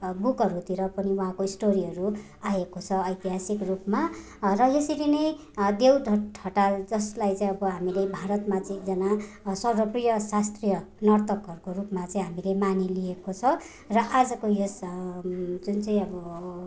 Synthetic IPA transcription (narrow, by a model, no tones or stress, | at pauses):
bukʌɾut̪iɾʌpʌniuɦãkoisʈoɾiɦʌɾu | ajekot͡sʰʌʌjt̪iɦasikrupma | rʌjesiɾinʌj | d̪ewɖʱʌʈʰʌʈad͡zʌslajt͡sãĩj̃ʌbʌɦamilebʱaɾʌt̪mat͡sikd͡zʌnasʌrbʌprijʌsast̪rijʌnʌrt̪ʌkɦʌɾkorupmat͡saĩɦamilemanelijekot͡sʰʌ | rʌʔad͡zʌkojes | d͡zunt͡saĩʌbʌ